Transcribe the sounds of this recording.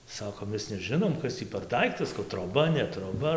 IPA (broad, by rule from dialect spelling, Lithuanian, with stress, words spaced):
ˈsɑːkoːm ˈmʲɛs nʲɛˈʒʲɪnoːm ˈkɐs tʲiː pʲɛr ˈdɐɪktɐs troːˈbɐ nʲɛ troːˈbɐ